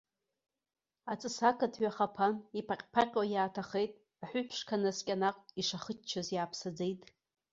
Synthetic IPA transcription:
at͡sʼɨsakʰatʰɥaχapʰanipʰaqʲʼpʰaqʲʼwajaːtʰaχejtʼ | aħʷʊpʰʂkʰanaskʲʼanaqʷʼiʂaχət͡ʃt͡ʃʰazjaːpʰsad͡zejtʼ

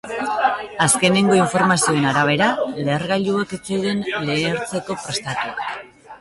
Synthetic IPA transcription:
aske̞ne̞ŋɡo̞iɱfo̞ɾmasio̞e̞naɾaβ̞e̞ɾaleɾɣaʎueket͡sewðe̞nle̞ːɾt͡se̞ko̞pɾe̞st̪at̪u

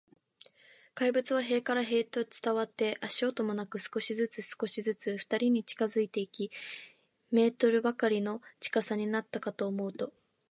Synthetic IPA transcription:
kaibɯ̟t͡sɨβ̞aɦe̞ːkaɾaɦe̞ːt̪ot͡sɨ̥t̪aβ̞at̪ːe̞ʔaɕo̞ːt̪o̞mo̞nakɯ̟sɨ̥ko̞ɕizɨt͡sɨsɨ̥ko̞ɕizɨt͡sɨɸɯ̥t̪aɾʲiɲ̟it͡ɕi̥kazɨit̪e̞ikʲi | me̞ːt̪o̞ɾɯ̟bakaɾʲino̞t͡ɕi̥kasaɲ̟inat̪ːakat̪o̞ːmo̞ɯ̟t̪o̞

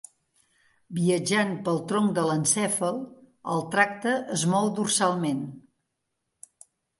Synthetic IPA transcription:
biəd͡ʒanpəlˠt̪ɾɔŋd̪ələnsɛfəlˠ | əlˠt̪ɾak̚t̪əʔəzmɔlˠd̪ursalˠmen

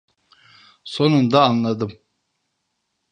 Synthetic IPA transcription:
so̞nund̪aːnlˠad̪ɯm

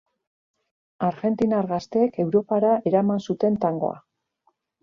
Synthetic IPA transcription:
aɾɣe̞nt̪inaɾɣast̪e̞ːke̞wɾo̞paɾaʔe̞ɾamansut̪e̞nt̪aŋɡo̞̰a̰

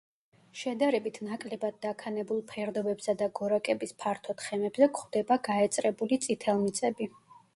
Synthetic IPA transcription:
ʃɛd̪aɾɛbit̪ʰnakʼlɛbad̪̚d̪akʰanɛbulˠpʰɛɾd̪ɔbɛbsad̪aɡɔɾakʼɛbispʰaɾt̪ʰɔt̪χɛmɛbzɛkχwd̪̥ɛbaɡaɛt̪sʼɾɛbulit̪sʼit̪ʰɛlˠmit̪sʼɛbi

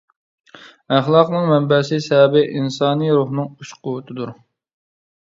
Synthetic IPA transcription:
æχlˠɑqnɨŋmɛmbɛsɪsɛbɪʔinsɑːnijɾuχnɨŋuʃqʊwʊt̪ʰɨd̪uɾ

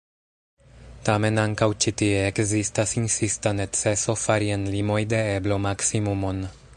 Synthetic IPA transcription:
tame̞naŋkawt͡ʃit̪ieːkzistasinsistanet͡seso̞faɾienlimo̞jd̪e̞eblo̞maksimumon

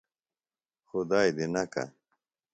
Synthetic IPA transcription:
xʊd̪aːjd̪inɐka̰

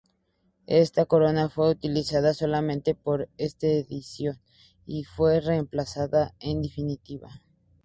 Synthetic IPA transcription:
e̞st̪ako̞ɾo̞nafwe̞ut̪ilisaðaso̞lamẽnt̪e̞po̞ɾest̪eːðisjo̞n | ifwe̞reːmplasaðaend̪efinit̪iβa̰

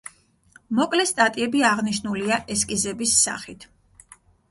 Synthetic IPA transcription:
mɔkʼlɛst̪ʼat̪ʼiɛbiaʁniʃnuliaʔɛskʼizɛbisːa̰χit̪ʰ

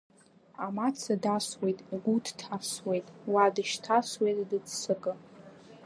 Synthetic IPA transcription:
amat͡sʰadaswe̞jtʼɡʷudʰtʰaswe̞jtʼwadɨʃtʰaswejtʼdɨd͡zsɨkʼɨ

